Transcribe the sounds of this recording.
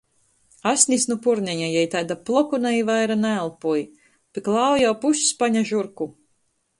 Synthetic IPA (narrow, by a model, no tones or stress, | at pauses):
asʲnʲisnupuɾnʲɛjajɛjt̪ajd̪aplˠɔkunaivajɾanaːlˠpuj | pʲiklˠaːwjawpuʃspaɲaʒuɾku